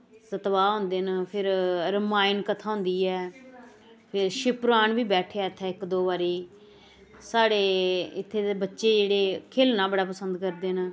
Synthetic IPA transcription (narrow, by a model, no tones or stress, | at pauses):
sət̪ʋaːɦʊ̃ːnd̪eːnpʰɪɾɾəmaːɪnkət̪ʰaːɦʊ̃nd̪iːɛː | pʰɪɾʃɪpɾaːɳʋiːbɛːʈʰeaːt̪ʰɛːɪkd̪oːʋaːɾiː | saːɽeːɪt̪ʰːeːebətːʃeːd͡ʒeːɽeːkʰeːlnãːbəɽaːpəsənd̪kəɾd̪eːn